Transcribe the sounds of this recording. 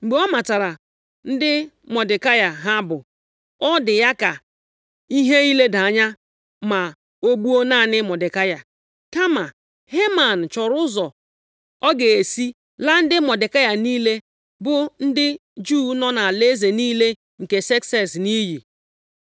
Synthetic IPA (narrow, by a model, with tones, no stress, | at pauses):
ŋ͡m̩˨ɡ͡be˨ɔ˦ma˨ta˨ɾa˨ | n̩˦dɪ˦mɔ˨dɪ˨ka˦ja˨ɦa˦bʊ˨ | ɔ˦dɪ˨ja˦ka˨ | i˦ɦe˦i˦le˦da˨a˨ɲa˦ | ma˨ | o˦ɡ͡bu˦o˦na˦˨nɪ˦mɔ˨dɪ˨ka˦ja˨ | ka˦ma˨ | he˦ma˨n̩˨t͡ʃɔ˨ɾʊ˦zɔ˨ | ɔ˦ɡe˨e˨si˦ | la˦n̩˦dɪ˦mɔ˨dɪ˨ka˦ja˨niː˦le˦ | bʊ˦n̩˦dɪ˦d͡ʒuː˦nɔ˦na˨le˦ze˨niː˦le˦ | ŋ̩˨ke˨se˦ksɛ˦˨sni˦ɦi˨